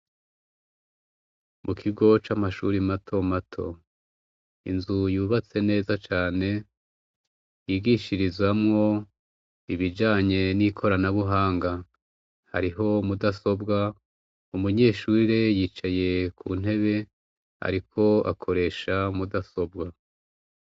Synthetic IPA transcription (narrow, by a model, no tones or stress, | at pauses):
mʔukʰiɡo̞t͡ʃamaʃṵɾimatʰo̞matʰo̞̰ | ḭnzujuːβat͡se̞ne̞ːzat͡ʃaːne̞ | jiːɡiʃiɾizwamŋo̞ | iβid͡ʒaːɲe̞nikʰo̞ɾanaβuɦaːŋɡa | ha̰ɾiɦo̞mudaso̞bɡa | umuɲe̞ːʃuɾejiːt͡ʃaje̞kʰṵːn̥e̞βe̞ | a̰ɾikʰo̞a̰kʰo̞ɾe̞ːʃamudaso̞bɡa